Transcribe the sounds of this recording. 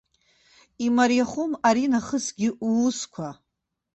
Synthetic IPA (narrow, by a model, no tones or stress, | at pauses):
imaɾjaχumaɾinaχəsɡʲɪuːskʷʰa